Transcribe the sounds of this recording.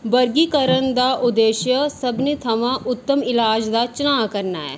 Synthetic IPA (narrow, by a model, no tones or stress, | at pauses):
bəɾɡiːkəɾənd̪aːʔʊd̪eːʃjəsəbniːt̪ʰəmãːʔʊt̪ːəmɪlaːd͡ʒd̪aːt͡ʃʊnaːkəɾnaːɦɛ̰ː